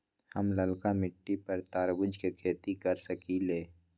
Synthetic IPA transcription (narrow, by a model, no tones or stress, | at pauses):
hɐmləlkamɪʈːipɐɾt̪aːɾbʊd͡ʒkekʰeːt̪ikɐɾsəkileː